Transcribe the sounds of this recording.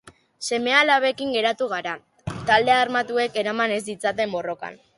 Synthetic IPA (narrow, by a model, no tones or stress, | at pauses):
se̞me̞alaβe̞kiŋɡe̞ɾat̪uɣ̞aɾa | t̪ald̪e̞armat̪ue̞ke̞ɾamane̞zd̪it͡sat̪e̞mbo̞ro̞ka̰n